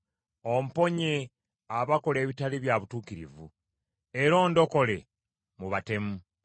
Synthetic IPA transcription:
o̞m̩po̞ɲe | aβako̞le̞ːβitaliβjaβutuːkiɾḭvu | eɾo̞ːndo̞ko̞le̞ | muβate̞mu

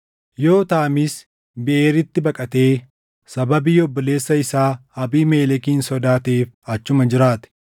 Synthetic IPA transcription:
jo̞ːt̪aːɐmɪs | bɪʔeːɾɪt̪ːɪbɐkʼɐt̪e̞ː | sɐbɐbiːjɔbːɔle̞ːsːɐɪsaːɐbiːme̞ːlɛkiːnsɔd̪aːt̪ːfɐt͡ʃːʊmɐd͡ʒɪɾaːt̪ɛ̥

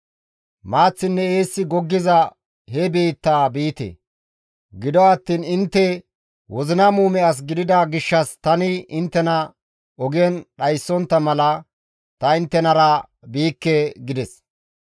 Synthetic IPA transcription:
maːt͡sːɪnːɛeːsːɪɡɔɡːɪzɐ | hɛbeːt̪ːaːbiːt̪ḛ | ɡɪd̪ɔɐːt̪ːiːnɪnt̪ːɛ | wɔzɪnɐmuːmɛɐs̬ɡɪd̪ɪd̪aɡɪʃːɐst̪ɐnɪɪnt̪ːɛnɐ | ɔɡɛnɗɐjsːɔnt̪ːɐmɐlɐ | t̪ɐɪnt̪ːɛnɐɾɐ | biːkːɛɡɪd̪ɛs

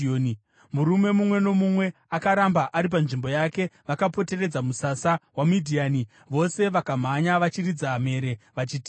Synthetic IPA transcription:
o | muɾume̞mumwe̞no̞mumwe̞ | akaɾambaʔaɾip̬anʐimbo̞jake̞ʋakapo̞te̞re̞d͡zamusasawamidʱiaːni | ʋo̞se̞ʋakam̤aɲaʋat͡ʃirid͡zaɦːme̞ːɾe̞ʋat͡ʃiːti̥

